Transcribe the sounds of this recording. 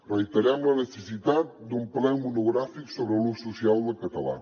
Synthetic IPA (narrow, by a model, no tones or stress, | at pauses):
rəjt̪əɾamlənəsəsit̪at̪̚d̪umplɛwmunuɣɾafiksoβɾəlususialˠd̪əkət̪ɐla̰